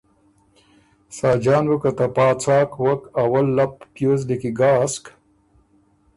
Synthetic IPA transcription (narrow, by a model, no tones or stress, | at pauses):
saːd͡ʑaːnwukɐt̪ɐpaːt͡sʰaːkwɐkɐwɐlːɐp̚pjoːzlikiɡaːsk